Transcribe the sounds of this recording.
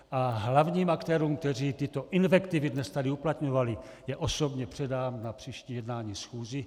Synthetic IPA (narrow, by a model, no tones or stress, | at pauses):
ʔaɦlavɲiːmakt̪ɛːɾuːmk̚t̪ɛriːt̪ɪt̪o̞ʔinvɛkt̪ividnɛst̪adiuplat̪ɲovali | jɛʔosobɲɛpr̝̥ɛdaːmnapr̥iːʃciːjɛdnaːɲiːsxuːzi